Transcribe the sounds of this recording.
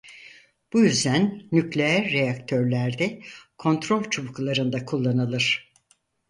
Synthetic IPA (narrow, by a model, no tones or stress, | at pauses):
b̥ujyzd̪ænːyclʲe̞jæɾːejakt̪ʰø̞ɾlʲæɾd̪ɛkʰo̞nt̪ɾo̞lʲt͡ʃʰuβuklˠaɾɯnd̪akʰulˠːanɯlˠɯɾ̥